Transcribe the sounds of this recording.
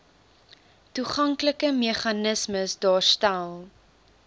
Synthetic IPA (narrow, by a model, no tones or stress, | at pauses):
tuχɐŋkləkəmeχɐnəsməsdɑːrstælˠ